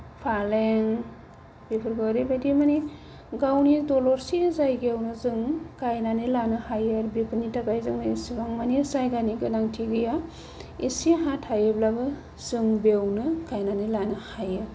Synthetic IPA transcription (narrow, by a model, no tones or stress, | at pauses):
pʰaleŋ | b̥epʰɯɾɡɯɾibadimani | ɡawnidɔlɔɾsizajɡewnɯzɯŋkajnanilanɯhajɯɾbipʰɯnitakajzɯŋnɯesibaŋmanisajɡaniɡɯnaŋtʰiɡɯja | esiɦatʰhajɯblabɯ | z̥ɯŋbewnɯkajnanilanɯhajɯ